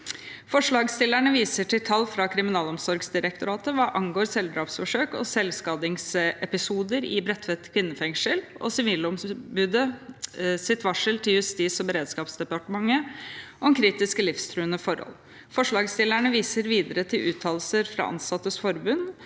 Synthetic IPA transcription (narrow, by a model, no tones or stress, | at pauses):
fɔʂɭɑːɡst̪ɪlæɳəʋiːsəʈʰɪlt̪ʰɑlːfɾɑkʰɾɪmɪnɑːlɔmsɔɾɡsd̪ɪɾək̚t̪ʊɾɑːt̪əʋɑːʔɑŋɡoːɾsɛld̪ɾɑːpsfɔʂøːkɔ̰sɛlskɑːd̪ɪŋsɛpɪsuːd̪əɾɪ̰bɾɛt̪ːʋɛt̪kʰʋɪnːəfɛŋʂəlɔ̰sɪʋiːlɔmbʉd̪ə | sɪt̪ʋɑʂəlt̪ʰɪljʉst̪iːsɔbəɾeːd̪skɑːpsd̪ɛpɑʈəmɑŋːəʔɔmkʰɾiːt̪ɪskəlɪfst̪ʰɾʉːənəfɔɾhɔ̰l | fɔʂɭɑːɡst̪ɪlæɳəʋiːsəɾʋiːd̪əɾət̪ʰɪlʔʉːt̪ʰɑːlsəɾfɾɑ̰ːʔɑ̰nsɑt̪ːəsfɔɾbʉn